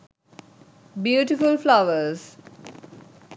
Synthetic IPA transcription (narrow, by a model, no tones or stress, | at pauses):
bjuːʈɪfʊlflaʋəɾz̥